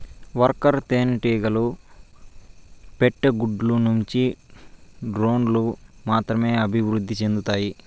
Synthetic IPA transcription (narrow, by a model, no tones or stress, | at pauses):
ʋɐɾkɐɾt̪eːnʈiːɡɐlu | peʈːɐɡuɖlunuɲt͡ʃi | ɖɾo̞ːnlumaːt̪ɾɐme̞ːɐbʱiʋɾud̪ʱːit͡ʃe̞nd̪ut̪aːji